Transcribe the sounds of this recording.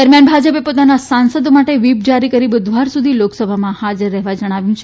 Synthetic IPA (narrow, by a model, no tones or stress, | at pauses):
d̪əɾmjanbʱad͡ʒəpepot̪anasansəd̪omaʈeʋip̚d͡ʒaɾikəɾibʊd̪ʱʋaɾsud̪ʱiloksəbʱamãhad͡ʒəɾːɛɦʋad͡ʒəɽ̃aʋjũt͡ʃʰe